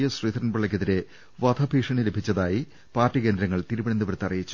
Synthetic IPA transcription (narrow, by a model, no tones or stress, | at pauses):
jɐɕriːd̪ɐɾɐnbɐɭːɐk̬ʲːeðiɾe̞ | ʋɐd̪ʰʱɐbʱiʂɐɳilebʱit͡ɕːɐðaːji | paːrtːike̞ːnd̪ɾɐŋːɐɭt̪iɾubinɐnd̪ɐʋɐɾt̪ːɐrijit͡ɕːu̥